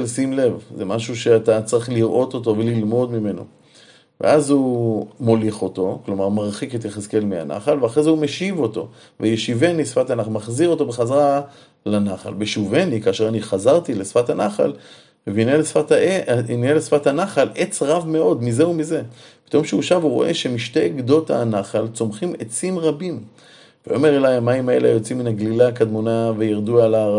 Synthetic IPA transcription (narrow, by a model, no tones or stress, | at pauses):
lsimle̞vzemaʃuʃe̞at̪at͡saʁiχliʁʔo̞t̪o̞t̬o̞ve̞lilmo̞d̪mime̞no̞̰ | vḛʔazhumo̞liχo̞to̞klo̞maʁmaʁχiket̪jeχeske̞lmea̰na̰χalveaχʁezeumeʃivo̞to̞̰ | vejeʃivenisfatanaχalmaχziʁo̞to̞beχazaʁa | lanaχa̰lbeʃuvenikaːʃeʁaniχazaʁt̪ilesfatanaχa̰l | evinelesfataeinielesfathanaχalet͡sʁavme̞o̞d̪mizeumize̞pi̥t̪o̞mʃeuʃavuʁo̞̰ʔeʃemiʃteɡd̪o̞ta̰naχalt͡so̞mχimet͡simʁabim | veome̞ʁelajamaimaeleajo̞t͡siminaɡlilakad̪monavejiʁd̪uala